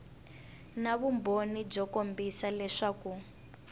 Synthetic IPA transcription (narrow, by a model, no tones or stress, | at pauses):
naβumbʱonib͡ʐɔkombisalɛʂaku